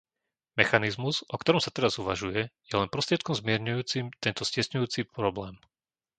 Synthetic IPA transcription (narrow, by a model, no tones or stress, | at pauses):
mɛxanizmuz̥ʔɔkt̪ɔɾɔmsat̪ɛɾazuʋa̰ʒujɛjɛlɛnpɾɔst̪ɾɪɛt̪̚kɔmzmɪɛɾɲujuːt͡simt̪ɛnt̪ɔscɪɛsɲujuːt͡sipɾɔblɛːm